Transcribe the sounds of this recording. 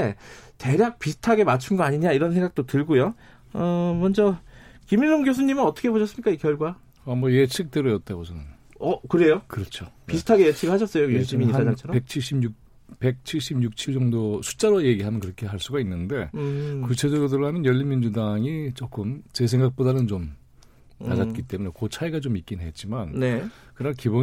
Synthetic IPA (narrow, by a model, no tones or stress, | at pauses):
ete̞ɾjak̚pisʰɯ̥tʰaɡe̞mat͡ɕʰunɡʌaɲiɲaiɾʌns̬ʰeŋɡak̚t͈otɯɭɡojo | ʌmʌnd͡ʑʌkiminsʰoŋɡjos̬ʰuɲimɯnʌt͈ʌkʰepoɕʰʌs͈ɯmɲikaikjʌɭɡwa | ʌmʌjet͡ɕʰik̚t͈eɾojʌt̚t͈aɡosʰʌnɯn | ʌkɯɾe̞jokɯɾʌt͡ɕʰopisʰɯ̥tʰaɡejet͡ɕʰiɡɯɭɦaɕʰʌs͈ʌjojuɕ͈imiɲiaat͡ɕʰʌɾpe̞k̚t͡ɕʰiɭɕ͈ibjuk̚ | pe̞k̚t͡ɕʰiɭɕ͈ibɲuk̚t͡ɕʰiɭd͡ʑʌŋdosʰu̥t͡ɕ͈aɾoje̞ɡiɦamjʌnkɯɾʌkʰe̞ɦaɭs͈uɡainːɯnde̞kut͡ɕʰe̞d͡ʑʌɾodɯɾɯɭɦamjʌnjʌʎːinmind͡ʑudaŋit͡ɕok͈ɯmt͡ɕe̞s̬ʰe̞ŋɡak̚p͈odanɯnt͡ɕom | na̰nat̚k͈it͈e̞munekot͡ɕʰaiɡat͡ɕomik͈innɦe̞t̚t͡ɕ͈imannekɯnakibo